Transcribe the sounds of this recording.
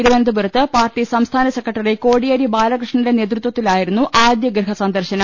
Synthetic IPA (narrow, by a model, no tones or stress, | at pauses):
iɾuʋɐnd̪ubuɾɐt̪ːɨpaːrʈisɐmst̪ʰaːnɐsekːɐʈːɐriko̞ːɽijɐːɾibaːlɐkrɨʂɳɐnilene̞ːt̪̬rut̪wɐt̪ːilaːjiɾunːuʔaːd̪jɐɡɾɐɦɐsɐnd̪ɐrɕɐnɐ